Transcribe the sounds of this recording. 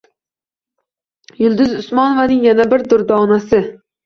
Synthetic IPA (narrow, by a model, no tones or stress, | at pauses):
julˠd̪ɪzusmɑnovɑnɪŋjɛnɛbɪɾd̪ʊɾd̪ɑːnɛsɪ